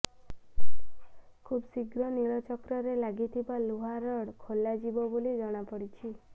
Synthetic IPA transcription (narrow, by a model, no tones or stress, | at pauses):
kʰubsiɡɾɔniɭɔt͡ʃɔkɾɔɾelaɡit̪ʰibaluɦaɾɔɽkʰolːad͡ʒibɔbolid͡ʒɔɽ̃apɔɽit͡ʃʰi